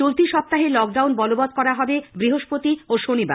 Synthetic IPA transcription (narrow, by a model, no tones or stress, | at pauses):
olt̪iʃɔp̚t̪aɦeɾlɔk̚ɖawnbɔlobɔd̪̚kɔɾaɦɔbebɾiɦoʃpot̪ioʃoniba̰